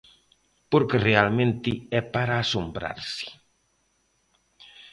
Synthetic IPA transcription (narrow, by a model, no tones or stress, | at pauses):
poɾkerealmẽnt̪iɛpaɾaːsombɾa̰ɾsi̥